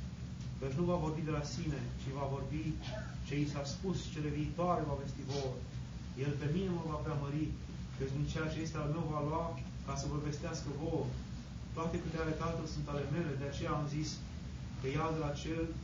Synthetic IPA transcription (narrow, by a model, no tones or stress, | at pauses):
kət͡ʃnuvavo̞rbid̪e̞lasine̞t͡ʃivavo̞rbi | t͡ʃe̞isaspust͡ʃe̞le̞viːt̪oaɾe̞vave̞st̪ivor | je̞lpe̞mineməvapɾʲaməɾi | kət͡ʃd̪int͡ʃeat͡ʃeest̪eanuvaloa | kasəborbe̞st̪easkəvo̞r | t̪oat̪e̞put̪eaelet̪at̪əlsunt̪ale̞me̞le̞d̪eat͡ʃe̞jaːmzis | kəjad̪elat͡ʃel